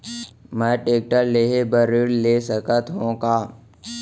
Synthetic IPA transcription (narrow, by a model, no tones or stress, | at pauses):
mɛːʈeːk̚ʈəɾleːɦebəɾɪɽleːsəkət̪ɦõkaː